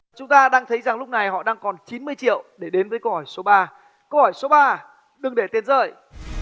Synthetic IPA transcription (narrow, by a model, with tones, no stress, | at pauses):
t͡ɕʊ˨˦ŋ͡mt̪aː˧ɗaː˧ŋt̪ʰə˨˦jza˨˩ŋlʊ˦˥k͡p̚na˨˩jɦɔ̰˧˨ɗaː˧ŋkɔ˨˩nt͡ɕi˨˦nmɨ˧əjt͡ɕḭ˧˨əwɗe˧˩ɗe˨˦nvəː˨˦jkə˧whɔ˧˩jso˨˦ɓaː˧ | kə˧whɔ˧˩jso˨˦ɓaː˧ | ɗɨ˨˩ŋɗe˧˩t̪e˧˩nzə̰ː˧˨j